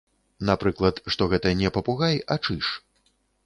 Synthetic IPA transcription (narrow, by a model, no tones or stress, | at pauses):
napɾɨklˠɐt̪ʂt̪ɔɣɛt̪ɐnʲɛpɐpuɣajɐt͡ʂɨʂ